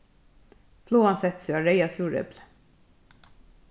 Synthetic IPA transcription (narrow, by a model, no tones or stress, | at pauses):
floːansɛt̪syaɹeɪasuːɹɛ̰bl